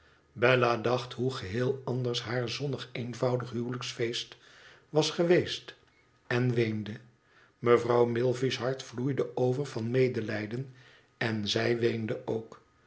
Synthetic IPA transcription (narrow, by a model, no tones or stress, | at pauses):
bɛladɑχtɦuχəɦɪːlˠɑndəɹsɦaːɹzɔnəχejnvɑwdəχɦywləksfejst | ʋɑsχəʋejst | ɛnʋejndə | məvrɑwmɪlˠvisɦɑɹtflujdəowvəɹvɑnmejdəlɛjdən | ɛnzɛjʋejndəʔowk